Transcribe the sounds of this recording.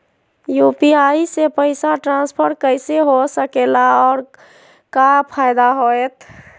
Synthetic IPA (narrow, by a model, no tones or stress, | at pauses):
jupiaisepəɪsaʈɾãspʰəɾkəɪseɦosəkelaɔːɾ | kapʰajd̪aɦoet̪ʰ